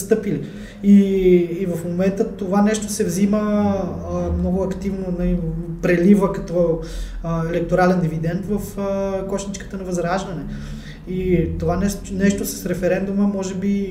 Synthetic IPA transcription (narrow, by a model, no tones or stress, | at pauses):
st̪ɤpili | iː | vɐfmomɛnt̪ət̪ovanɛʃt̪o̥sɛvzimə | mnɔɡʊɐkt̪ivnonɐipɾɛlivəkɐt̪ɔ | ɛlɛk̚t̪oɾalɛnd̪ivid̪ɛnt̪vəfkɔʃnit͡ʃkə̥t̪ənɐvɐzɾaʒvɐnɛ | it̪ovanɛnɛʃt̪osɐ̥sɾɛfɛɾɛnd̪uməmɔʒɛbi